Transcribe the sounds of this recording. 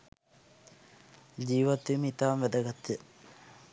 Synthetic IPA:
d͡ʑiːʋat̪ʋiməit̪aːmʋæd̪əɡat̪ːijə

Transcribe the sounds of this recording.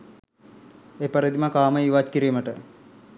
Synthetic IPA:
eːpɐɾid̪imakaːməiʋat͡ʃkiɾiːməʈə

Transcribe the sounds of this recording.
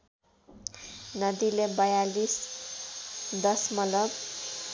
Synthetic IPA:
nʌd̪ilebajalis | d̪ʌsmʌlʌb

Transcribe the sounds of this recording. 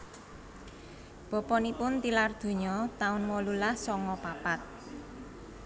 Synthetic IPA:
b̥ɔ̤pɔnipʊnt̪ilard̪̥o̤ɲɔt̪aʊnmɔlulahsɔŋɔpapat̪̚

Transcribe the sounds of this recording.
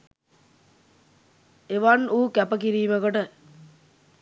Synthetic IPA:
eʋanuːkæpəkiɾiːməkoʈə

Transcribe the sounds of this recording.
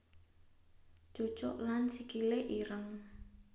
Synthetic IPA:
d͡ʒ̥o̥t͡ʃɔʔlansikileʔiɾəŋ

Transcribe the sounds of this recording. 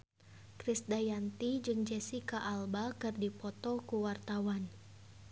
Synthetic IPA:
kɾisdajant̪id͡ʒɨŋd͡ʒɛsikaʔalbakɨrdipɔt̪ɔkuwart̪awan

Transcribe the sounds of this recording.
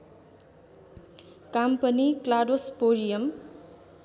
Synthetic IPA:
kampʌniklaɖospoɾijʌm

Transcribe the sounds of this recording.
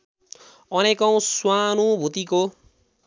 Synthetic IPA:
ʌnekʌw̃swanubʱut̪iko

